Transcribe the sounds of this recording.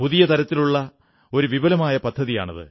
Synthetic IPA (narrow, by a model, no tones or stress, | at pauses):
puðijɐt̪ʰɐɾɐt̪ːiluɭːɐ | o̞ɾuʋibɐlɐmaːjɐpɐd̪ʱːɐðija̰ːɳɐðɨ̰